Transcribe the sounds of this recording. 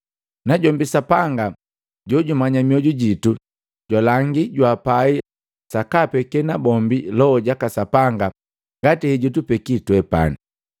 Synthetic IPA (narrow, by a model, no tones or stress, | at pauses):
naɟɔmbisapaŋɡa | ɟɔɟumaɲamiɔɟuɟitu | ɟ̥walaŋɡiɟwapai | sakapɛkɛnabɔmbilɔɔɟakasapaŋɡa | ŋɡatihɛɟutupɛkitwɛpa̰ni